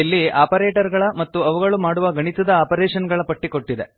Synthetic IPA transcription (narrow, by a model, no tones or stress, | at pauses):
ɐlːiʔaːpɐɾeːʈɐɾɡɐɭɐmɐt̪ːuɐʋuɡɐɭumaːɽuʋɐɡɐɳit̪ɐd̪ɐaːpɐɾeːʂɐnɡɐɭɐpɐʈːiko̞ʈːid̪e̞̰